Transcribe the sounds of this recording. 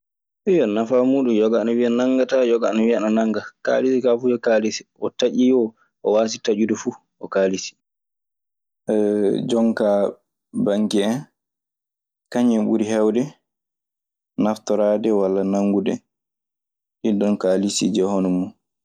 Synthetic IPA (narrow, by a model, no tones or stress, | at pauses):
ʔɛjɔnafamuːɗumjɔɡanɔwianaŋɡatajɔɡanɔwiananaŋɡaka̰lisikafujɔkaːlisi̥ʔɔtaʔijɔ | ʔɔwaːs̬itad͡ʒudɔfu | ʔɔkaːlisi̥ | ʔɛd͡ʒɔŋka | baŋkiɛn | kaɲɛɓṵɾihɛwdɛ | naftɔɾaːdɛwalːanaŋɡudɛ | ɗidɔnkaːlisḭd͡ʒɛhɔnɔmɔ